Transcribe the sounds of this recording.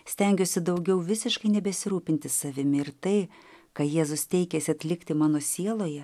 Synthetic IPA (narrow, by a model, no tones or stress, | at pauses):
sʲt̪ʲɛŋʲɡʲoːsʲɪd̪ɐʊɡʲɛʊʋʲɪsʲɪʃkɐɪnʲɛbʲɛsʲɪɾuːpʲɪnʲt̪ʲɪssɐʋʲɪmʲɪɪɾt̪ɐɪkɐjeːzʊst̪ʲɛɪkʲɛsʲɪɐt̪ʲlʲɪkt̪ʲɪmɑːnoːsʲiɛlˠoːjɛ